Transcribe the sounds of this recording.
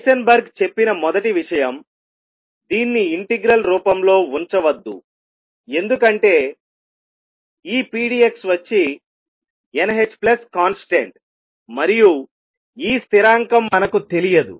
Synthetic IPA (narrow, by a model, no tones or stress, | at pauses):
ʃɐnbɐɾɡt͡ʃe̞pːinɐmɔd̪ɐʈiʋiʂɐjɐm | d̪iːnːiiɳʈeɡɾɐlɾuːpɐmlo̞ːuɲt͡ʃɐʋɐd̪ːṵ | e̞nd̪ukɐɳʈe̞ː | iːpiːɖie̞ksʋɐt͡ʃːi | enɐɦet͡ʃːplɐskaːnsʈḛɳʈ | mɐɾiju | iːst̪ʰiɾaːŋkɐmːɐnɐkut̪e̞lijɐd̪ṵ